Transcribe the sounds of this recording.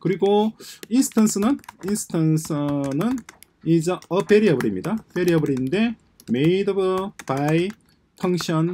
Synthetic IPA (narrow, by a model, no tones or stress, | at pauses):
kɯɾiɡoinsʰɯ̥tʰansʰɯnɯninsʰɯ̥tʰansʰɯnɯn | id͡ʑʌʌpeɾiʌbɯɾimɲidapeɾiʌbɯɾinnde̞ | me̞idʌbɯpai | pʰʌŋɕʰʌn